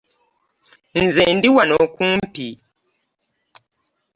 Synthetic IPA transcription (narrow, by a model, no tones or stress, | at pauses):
n̩zɛndiwanɔkum̩pi